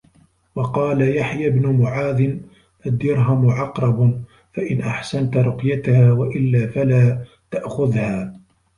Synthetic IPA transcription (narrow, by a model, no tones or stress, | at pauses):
wɑqɑːlajaħjabnʊmʊʕaːd̪ɪn | ʔad̪ːɪɾɦamʊʕɑqɾˤɑb | faʔɪnʔaħsant̪ɾˤʊqjat̪ahaːwaʔɪlːaːfalaː | t̪aʔxʊðhaː